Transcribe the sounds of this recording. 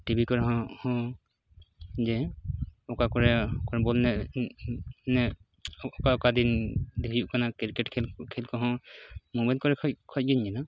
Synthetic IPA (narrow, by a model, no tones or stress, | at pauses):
ʈibʱikɔɹɦɔ̃hɔ̃ | d͡ʒɛ | ɔkakɔɹɛkɔɹɛbɔlnɛ | nɛ | ɔkaɔkad̪ind̪iuʔkanakiɹkɛʈkʰɛlkʰɛlkɔɦɔ̃mubajlkɔɹɛkʰɔc̚ɡiɲd͡ʒɛna